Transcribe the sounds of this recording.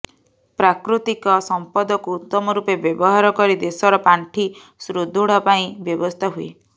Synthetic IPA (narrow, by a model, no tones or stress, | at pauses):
pɾakɾut̪ikɔsɔmpɔd̪ɔkuːt̪ːɔmɔɾupebjɔbɔɦaɾɔkɔɾid̪esɔɾɔpaɳʈʰi | sɾud̪ʱuɽ̤ɔpaĩbjɔbɔst̪ʰaɦuḛ